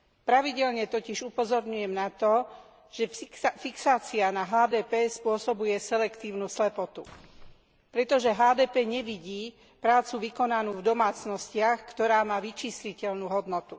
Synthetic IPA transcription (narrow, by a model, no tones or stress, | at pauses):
pɾaʋiɟɛʎɲɛt̪ɔciʒupɔzɔɾɲujɛmnat̪ɔ | ʒ̥ɛfiksaːt͡sianaɦaːd̪ɛːpɛːspʊɔsɔbujɛsɛlɛkt̪iːʊnuslɛpɔt̪u | pɾɛt̪ɔʒɛɦaːd̪ɛːpɛːɲɛʋiɟiː | pɾaːt͡suʋikɔnanuːvd̪ɔmaːt͡snɔscɪaxkt̪ɔɾaːmaːʋit͡ʃiːslicɛʎnuːɦɔd̪nɔt̪u